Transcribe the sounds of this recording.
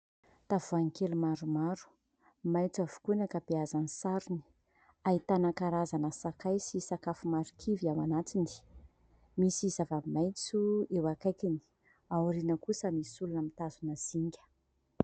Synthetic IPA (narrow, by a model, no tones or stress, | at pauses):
t̪avuaŋikelumaɾumaɾu̥ | majt͡savu̥kunakəbiazanisaɾuni̥ | ait̪anakaɾazanəsakajsisakafumaɾukʰiviamanat̪ini̥ | misizavamajt͡suewakajkini̥ | awuɾinəkusəmiisulunəmit̪azunəz̥iŋɡʲə̥